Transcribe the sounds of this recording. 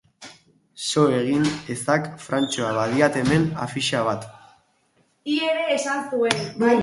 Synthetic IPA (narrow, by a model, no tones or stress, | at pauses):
so̞e̞ɣ̞inest̪akfɾant͡ʃoaβaðiat̪e̞me̞na̰fiʃaβ̞at̪ | ieɾe̞ːsansuen